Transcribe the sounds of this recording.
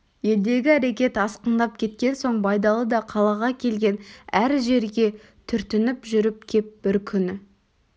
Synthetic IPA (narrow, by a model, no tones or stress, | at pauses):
je̞ld̪e̞ɡʲɪæɾe̞kʲe̞t̪ɑsqənd̪ɑp̚kʲʰe̞t̪kʲe̞nso̞ɴbɑjd̪ɑlˠəd̪ɑqʰɑlˠɑʁɑkʲʰe̞lɡʲe̞næɾʒe̞ɾɡʲe̞ | t̪ʰʏɾt̪ɪnɪpʒʏɾɪp̚kʲʰe̞p̚b̥ɪɾkʲʰʏnɪ